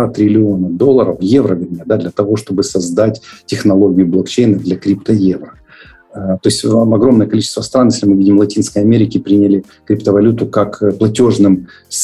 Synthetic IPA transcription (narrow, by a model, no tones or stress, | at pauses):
at̪ɾʲɪlʲɪo̞nəd̪o̞lˠːəɾəfje̞vɾəvʲɪɾʲmʲed̪ad̪lʲɐt̪ɐvo̞ʂt̪o̞bɨsɐzd̪atʲtʲɪxnɐlˠo̞ɡʲɪjʊblˠokt͡ɕejnəd̪lʲɐkɾʲipt̪əjevɾə | t̪o̞ɪsʲtʲɐɡɾo̞mnəjəkɐlʲit͡ɕɪ̥st̪vəst̪ɾanjesʲlʲɪmɨvʲidʲɪmlˠɐtʲinskəjɐmʲeɾʲɪkʲɪpɾʲinʲɪlʲɪ | kɾʲɪpt̪əvɐlʲut̪ʊkakplˠɐtʲo̞ʐnɨm | s